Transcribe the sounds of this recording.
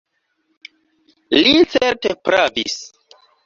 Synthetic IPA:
lit͡seɾtepɾavḭs

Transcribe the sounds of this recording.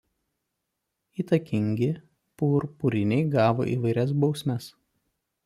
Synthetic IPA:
iːt̪ɐkʲɪŋʲɡʲɪ | puːɾpuɾʲɪnʲɛɪɡɑːʋo̰ːʔḭːʋɐɪɾʲɛs̬bɒʊsʲmʲɛs

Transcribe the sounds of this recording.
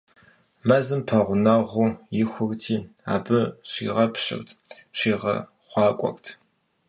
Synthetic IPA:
mɐzɨmpʰɐʁʷʊnɐʁʷuːjɪxʷʊɣtʰiːa̰ːbɨɕḭːʁɐpɕɪ̰rtʰɕiːʁɐ̰χʷɑːkʷʼɔ̰xtʰ

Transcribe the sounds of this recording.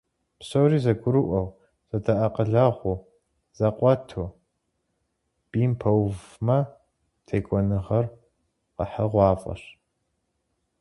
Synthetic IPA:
pɕɐwriːzɐɡʷʊɾɨʔʷɐw | z̥ɐdʰɐʔɐqəɮɐʁʷʊ | z̥ɐqʷʼɔtʰu | b̥iːmpʰɐwvmɐ | tʰejkʷʼɔnɨʁɐr | qə̰ħəʁʷɑːfʼɐ̰ɕ

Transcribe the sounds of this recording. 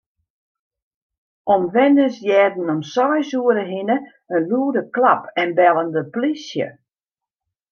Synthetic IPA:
ʔɔmʋɛnəsjɛːdn̩ɔmsɔjsuəɾəɦinə | ənluːdəklapʰɛnbɛlˠəndəplisjə̰

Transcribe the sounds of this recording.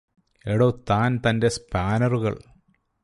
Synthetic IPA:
eɽot̪aːnt̪ɐndespaːnɐruɣɐ̰ɭ

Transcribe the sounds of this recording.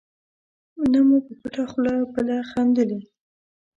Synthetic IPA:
namupəkuʈaxlɑbəlaxand̪əli

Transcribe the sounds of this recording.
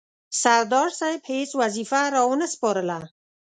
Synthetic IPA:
saɾd̪ɑɾsajbhet͡swazifaɾɑwnəspɑɾəla

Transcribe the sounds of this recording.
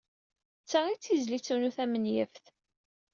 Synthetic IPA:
t͡sːait͡sːizlit͡sːunuθæmənjəfθ

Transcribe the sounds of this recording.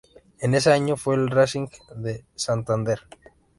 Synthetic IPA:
eneseaɲofwelrasiŋkðesant̪and̪e̞ɾ

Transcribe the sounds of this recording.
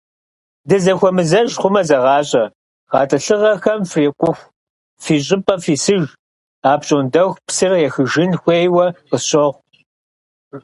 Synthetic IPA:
dɨzɐxʷɔmɨzɐʒχʷʊmɐzɐʁɑːɕʼɐ | ʁɑːtʼɐɬɨʁɐxɐmfreːkʷʼʊxʷ | fiːɕ̬ʼɪpʼɐfiːsɨʒ | aːpt͡ʃʼondɐxʷpsɨrjɛxɨʒɪnxʷeːjwɐqəɕɔʁʷ

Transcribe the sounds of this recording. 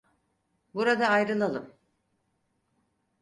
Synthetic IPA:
buɾad̪aːjɾɯlˠalˠɯm

